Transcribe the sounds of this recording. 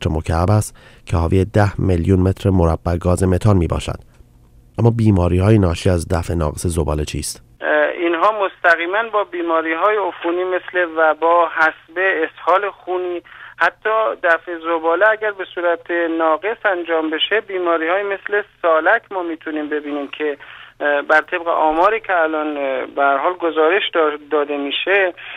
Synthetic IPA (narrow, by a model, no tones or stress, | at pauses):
ɾemocʰææbæst̪ | cʰehɒːviːjed̪æhmeljunme̞t̪ʰɾemoɾæbːæɡɒːzeme̞t̪ʰɒnmiːbɒ̰ːʃæ̰d̪̥ | ʔæmːɒːbiːmɒːɾiːhɒːjenɒːʃiːæzd̪æfe̞nɒ̰ːɣese̞zobɒ̰ːlet͡ʃʰiːst̪ | inɦɒːmost̪æɣiːmænbɒːbiːmɒːɾiːɦɒːjeofuniːme̞sle̞væbɒːhæsbeːshɒːle̞xuːniːhæt̪ʰːɒːd̪æfe̞zobɒːleæɟæɾbe̞suːɾæt̪ʰenɒːɡe̞sænd͡ʒɒːmbe̞ʃe̞biːmɒːɾiːhɒːjeme̞sle̞sɒːlækʰmɒːmiːt̪ʰuniːmbe̞biːniːmcʰe̞ | bæɾt̪ʰe̞bɣḛʔɒːmɒːɾiːcʰeælɒːnbehæɾhɒːlɡo̞zɒːɾe̞ʃd̪d̪ɒːd̪e̞miːʃe